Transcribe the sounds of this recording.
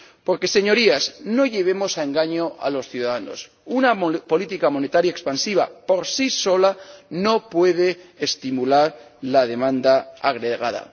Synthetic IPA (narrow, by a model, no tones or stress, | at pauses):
po̞ɾke̞se̞ɲo̞ɾiasno̞ʎe̞β̞e̞mo̞sae̞ŋɡaɲo̞ʔa̰lo̞sθjuðaðano̰s | unapo̞lit̪ikamo̞ne̞t̪aɾjaekspansiβ̞apo̞ɾsiso̞lano̞pwe̞ð̞e̞ːst̪imulaɾlaðe̞mãnd̪aaɣɾeɣaða̰